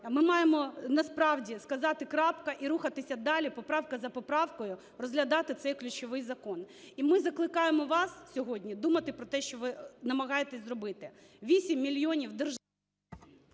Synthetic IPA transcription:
mɪmɑjemɔnɐspɾɑwdʲiskɐzɑt̪ɪkɾɑpkɐʔiɾuxɐt̪ɪsʲɐd̪ɑlʲipɔpɾɑwkɐzɐpɔpɾɑwkɔjʊ | rɔzɦlʲɐd̪ɑt̪ɪt̪sɛjklʲʊt͡ʃɔʋɪjzɐkɔnimɪzɐklˠɪkɑjemɔʋɑssʲɔɦɔdʲnʲid̪umɐt̪ɪpɾɔt̪ɛʃt͡ʃɔʋɪnɐmɐɦɑjet̪ɛsʲzɾɔbɪt̪ɪ | ʋʲisʲimʲːilʲjɔnʲiwd̪ɪrʒ

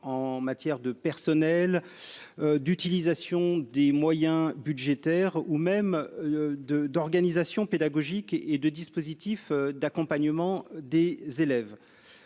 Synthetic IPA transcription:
ɑ̃mat̪jɛʁd̪əpɛʁsɔnɛl | d̪yt̪ilizasjɔ̃d̪emwajɛ̃byd̪ʒet̪ɛʁumɛm | d̪əd̪ɔʁɡanizasjɔ̃ped̪aɡɔʒiked̪əd̪ispozit̪ifd̪akɔ̃paɲəmɑ̃d̪ezelɛv

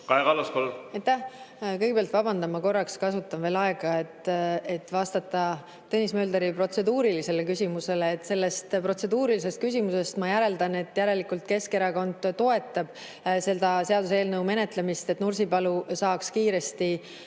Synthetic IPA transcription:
kɑekɑlːɑskolːɑjt̪ːæhkɤjɡepeɑlt̪vɑbɑnd̪ɑmːɑko̞rːɑkskɑsut̪ːˑɑnve̞ːlɑeɡ̥ɑe̞t̪et̪ːvɑst̪ɑt̪ːˑɑ | t̪enismø̞ːld̪eɾipro̞t̪se̞d̪uːɾilise̞lekysʲimuse̞leːt̪ːse̞lːe̞st̪pro̞t̪se̞d̪uːɾilise̞st̪̚kys̬ʲimuse̞st̪mɑjæɾe̞ld̪ɑne̞t̪ːˑjæɾe̞likult̪ke̞ske̞ɾɑko̞nd̪̥t̪ːo̞e̞t̪ːˑɑb̥ | se̞ld̪ɑse̞ɑd̪us̬eːlnɤwme̞net̪lemist̪e̞t̪ːnursipɑlusɑːkskiːɾe̞st̪i

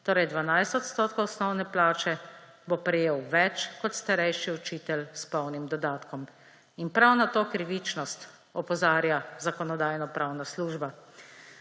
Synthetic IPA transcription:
t̪oːɾɛjd̪ʋanajst̪ɔt̪st̪oːt̪̚kowɔsnɔwnɛplaːt͡ʃɛ | bopɾɛjeːwʋɛt͡ʃkɔt̪st̪aɾɛjʃiɔt͡ʃiːt̪ɛlspɔwnimd̪ɔd̪aːt̪kɔm | inpɾawnat̪oːkɾiʋit͡ʃnɔst̪ | ɔpɔzaːɾjazakɔnɔd̪aːjnɔpɾawnasluːʒba

